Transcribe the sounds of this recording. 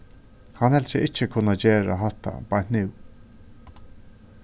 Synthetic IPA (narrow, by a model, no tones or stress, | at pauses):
hanhɛlsɪʔɪht͡ʃːəkʰʊnːat͡ɕeːɹa̰ɦaht̪a̰bajnnɪw